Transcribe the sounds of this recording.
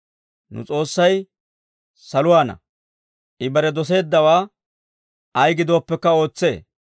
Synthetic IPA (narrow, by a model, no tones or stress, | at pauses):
nʊ̰t͡sʼo̞ːsːɐj | sɐlʊwaːnɐ̰ | ʔɪbɐɾɛd̪ɔs̬e̞ːd̪ːɐwaː | ɐjɡɪd̪o̞ːpːɛkːɐo̞ːt͡sːe̞̰ː